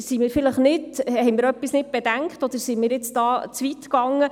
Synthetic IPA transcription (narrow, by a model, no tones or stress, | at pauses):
simɪːɾfɪləχnɪthɛjmɪːɾœpːisnɪt̚b̥ed̥æŋkχtɔd̥̪əɾsimɪːɾɪt͡sd̥ɑːt͡sʋitkɑŋːə